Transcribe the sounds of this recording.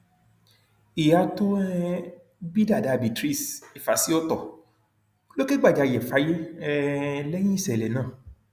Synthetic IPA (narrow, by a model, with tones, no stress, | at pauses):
i˨ja˨˧to˦ɛ˦ | bi˦da˦˨da˨bi˨tɾi˦˨si˨fa˨si˦ɔ˦tɔ˦˨ | lo˦ke˦ɡ͡ba˦˨d͡ʒa˨˧˨jɛ˨fa˨˦je˦ɛ˦lɛ˦j̃ĩ˦i˦˨sɛ˨lɛ˨nãː˦˨